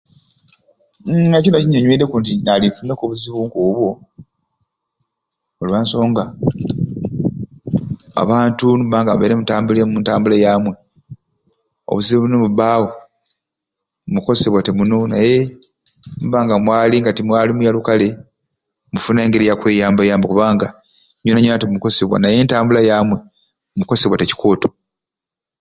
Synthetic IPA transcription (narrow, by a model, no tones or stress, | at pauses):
ecinociɲoɲweɾekuːntinaliɱfunekoβuziβuŋkuβwo | oluβaːnso̞ːŋɡa | a̰βaːntunubaːŋɡamuβeːɾemutaːmbulemuntaːmbulejaːmwe̞ | o̰βuziβuβunomuβaːwo | muko̞seβwatemuno̞naje̞ | nuβaːŋɡamwaːliŋɡatimwaːlimujalukale̞ | mufuneːŋɡeɾijakwe̞ːjaːmbajaːmbakuβaːŋɡa | ɲonaɲonatemuko̞seβwa̰naje̞ːntaːmbulajaːmwe̞ | muko̞seβwateci̥ko̞ːto̥